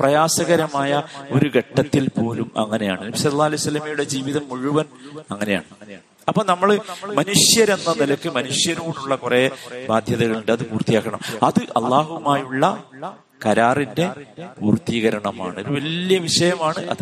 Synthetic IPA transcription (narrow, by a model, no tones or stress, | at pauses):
prɐjaːsɐɣɐɾɐmaːjɐo̞ɾuɡeʈːɐt̪ːilpo̞ːlumɐ̰ŋːɐne̞ja̰ːɳɨnɐbisɐlːɐlːaːɐlɐjusɐlːɐmɐjuɽe̞d͡ʑiːʋiðɐmːuɻuʋɐnɐŋːɐne̞ja̰ːɳɨ | ɐpːoːnɐmːɐɭmɐnuʂjɐɾe̞nːɐnilɐkːɨmɐnuʂjɐɾuːɽuɭːɐkureːbaːd̪ʱjɐðɐɣɐɭuɳɖɨɐðɨpuːrt̪ːijaːkːɐɳɐmɐðɨʔɐlːaːɦumaːjuɭːɐ | kɐɾaːrinde̞puːrt̪ːiːɣɐɾɐɳɐma̰ːɳɨoɾuʋɐljɐʋiʂɐjɐmaːɳɨʔɐ̰ðɨ